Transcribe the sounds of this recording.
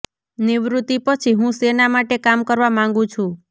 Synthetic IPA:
niʋɾut̪ipət͡ʃʰiɦũsenamaʈekamkəɾʋamãŋ̆ɡũt͡ʃʰũ

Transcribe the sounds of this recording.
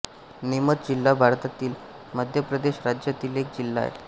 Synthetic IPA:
nimət̪̚d͡ʑilːabʱaɾt̪at̪iːl | məd̪ʱjəpɾəd̪eɕɾad͡ʑjat̪iːlek̚d͡ʑilːa̰ḛ

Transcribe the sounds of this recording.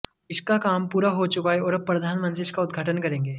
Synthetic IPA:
ɪskakaːmpuːɾaɦot͡ʃʊkaeɔːɾɐbpɾɐd̪ʱaːnmɐ̃nt̪ɾiɪskaʊd̪ɡʱaːʈənkɐɾẽːŋɡeː

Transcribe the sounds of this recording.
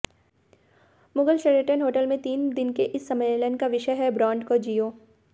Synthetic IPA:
mʊɡəlʃeɾeʈənɦoːʈəlmẽt̪iːnd̪ɪnkeʔɪsːɐmələnkaʋɪʃəjɦɛbɾãːɳɖkod͡ʒiːoː

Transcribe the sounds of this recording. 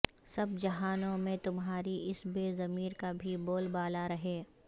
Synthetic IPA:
sɐbd͡ʒɐɦaːnõmẽt̪ʊmɦaːɾiɪsbeːzɐmiːɾkabʱiboːlbaːlaɾɐɦeː

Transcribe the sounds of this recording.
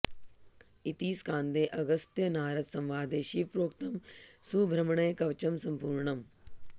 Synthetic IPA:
it̪iːskʰãːnd̪eːʔɐɡəst̪jənaːɾət̪sɐmʋaːd̪eːʃipɾoːkt̪əmsubʱɾəmɳəjkɐʋt͡ʃəmsɐmpuːɾɳəm

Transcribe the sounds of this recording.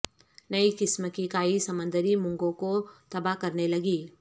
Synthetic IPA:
nɐikɪsməkikaːisɐmə̃nd̪ʱəɾimʊ̃ŋɡõkot̪ɐbakɐɾnelɐɡiː

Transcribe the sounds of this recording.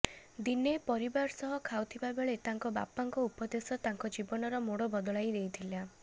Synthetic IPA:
d̪inepɔɾibaɾsɔɦɔkʰawt̪ʰibabeɭet̪aŋkɔba̰paŋkɔupɔd̪esɔt̪aŋkɔd͡ʒibɔnɔɾɔmoɽɔbɔd̪ɔɭajd̪ejt̪ʰila

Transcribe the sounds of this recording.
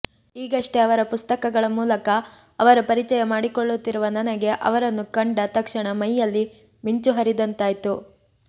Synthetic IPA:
iːɡɐʂʈe̞ɐʋɐɾɐpust̪ɐkɐɡɐɭɐmuːlɐkɐ | ɐʋɐɾɐpɐɾit͡ʃɐjɐmaːɽikoɭːut̪ːiɾuʋɐnɐnɐɡe̞ʔɐ̰ʋɐɾɐnːukɐɳɖɐt̪ɐkʂɐɳɐmɐjːɐlːi | miɲt͡ʃuɦɐɾid̪ɐnt̪aːjt̪u

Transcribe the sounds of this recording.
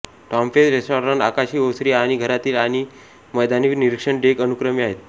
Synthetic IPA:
ʈɔmfesɾesʈɔɾaɳakaɕiːosɾiːaɽ̃iɡʱəɾat̪iːlaɽ̃i | məjd̪aniʋniɾikʂəɳɖekənukɾəmiaɦet̪̚

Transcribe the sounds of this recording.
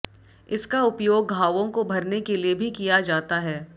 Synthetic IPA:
ɪskaʊpjoːɡɡʱaːʋõkobʱɐɾnekeliebʱikijad͡ʒaːt̪aɦɛː

